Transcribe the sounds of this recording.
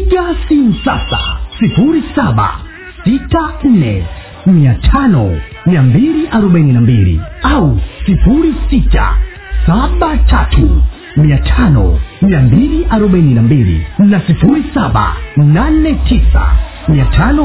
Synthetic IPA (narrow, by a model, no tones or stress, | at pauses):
ɡasin̩sasa̰sifuɾisaɓa̰ | sitan̩nɛ | miatʰanɔ | miambiliʔaɾɔɓaininambilḭausifuɾisita̰ | saɓatʰatʰṵ | miatʰanɔ̰miambiliʔaɾɔɓaininambilḭnasifuɾisaɓa̰nanɛtʰisa̰ | miatʰanɔ